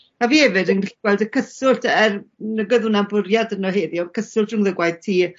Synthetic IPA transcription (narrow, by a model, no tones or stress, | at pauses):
aviːɛvɨdəŋriɬiɡwɛlˠdəkʰəsʊltʰɛrnəɡəðʊnabʊɾjadənɔheːðiɔkʰəsʊltəŋðəɡwajð̥tʰiː